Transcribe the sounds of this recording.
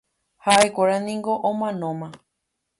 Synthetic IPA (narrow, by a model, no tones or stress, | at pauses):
haekʷaɾanĩŋɡo̞ʔõmãnõmã